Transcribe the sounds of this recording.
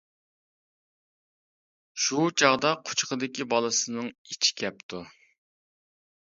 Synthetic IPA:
ʃut͡ʃʰɑʁd̪ɑqʰʊ̥t͡ʃqəd̪ɪkʲibɑlˠɨsɨnɨŋit͡ʃʰi̥kʲʰɛp̚t̪ʰu

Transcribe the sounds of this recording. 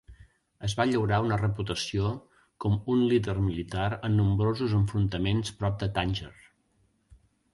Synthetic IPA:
əzβaʎəwɾaunərəput̪əsio | kɔmunliðərmilit̪aɾənːumbɾozuzəɱfɾunt̪əmenspɾɔp̚d̪ət̪anʲʒər

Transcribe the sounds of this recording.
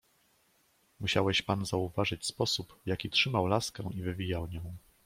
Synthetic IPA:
muɕawɛɕpanzauvaʐɘt͡ɕspɔsupvjakʲitʂɘmawlaskɛ̃ivɘvʲijawɲɔ̃w̃

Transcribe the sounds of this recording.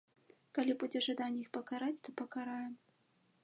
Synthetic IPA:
kalʲibud͡zʲɛʐad̪anʲːɛixpɐkaɾat͡sʲt̪ɔpɐkaɾajɛm

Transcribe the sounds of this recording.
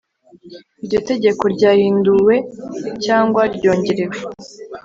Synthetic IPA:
iɾɟo̞te̞ɟe̞ko̞ɾɟaːhiːnduwe̞caːŋɡwaɾɟo̞ːɲɟe̞ɾewe

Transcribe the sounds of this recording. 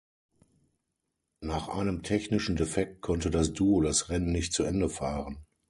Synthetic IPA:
naːχʔa̰ɪnəmtʰɛçnɪʃn̩defɛk̚t̚kʰɔntədasd̥uːodasʁɛnənnɪçtt͡suʔɛndəfaːʁən

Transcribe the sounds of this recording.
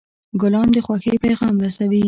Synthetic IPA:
ɡʊlɑnd̪əxwaxepajɣɑmɾasawi

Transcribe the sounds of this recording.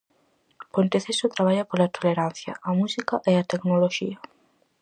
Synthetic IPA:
pont̪eθesot̪ɾaβ̞aʎapolat̪oleɾan̟θjɐ̰amusikaʔeat̪eknoloʃiɐ

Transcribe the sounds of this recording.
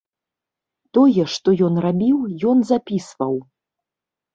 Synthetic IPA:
t̪ɔjɛʂt̪ɔjɔnrabʲiwjɔnzapʲisvɐw

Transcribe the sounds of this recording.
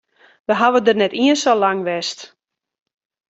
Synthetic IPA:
ʋəɦaʋədərnɛtiənsolaŋʋɛst

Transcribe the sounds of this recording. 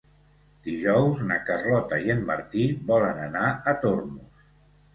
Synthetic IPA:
d̪̥iʒɔwznəkərlɔt̪əiənmːə̰ɾt̪iβɔlənənaət̪ormus

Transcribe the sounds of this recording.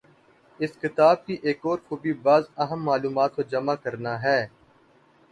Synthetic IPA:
ɪskɪt̪aːb̚kiʔeːkɔːɾkoːbʱibaːzɐɦəmːaːluːmaːt̪̚kod͡ʒɐmakɐɾnaɦɛː

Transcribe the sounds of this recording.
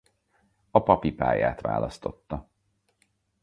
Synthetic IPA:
ɒpɒpipaːjaːt̪ʋa̰ːlɒst̪o̞t̪ːɒ

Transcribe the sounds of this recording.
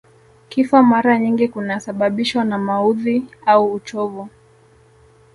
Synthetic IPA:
kifamaɾaɲiŋɡikunasaɓaɓiʃwanamauðiauːt͡ʃɔvu

